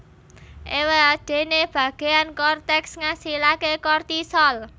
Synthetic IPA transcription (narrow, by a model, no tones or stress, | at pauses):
ʔeweaɖ̪̥e̤neb̥ä̤ɡ̥e̤ankɔrt̪ɛksŋasilakekɔrt̪isɔl